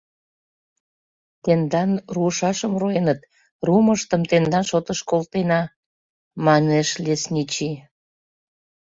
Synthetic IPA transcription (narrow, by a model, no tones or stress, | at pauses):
t̪end̪ɑnruəʃɑʃəmroenət̪̚ | ruməʃt̪əmt̪end̪ɑnʃot̪əʃkolt̪enɑ | mɑneʃlʲesnʲit͡ɕi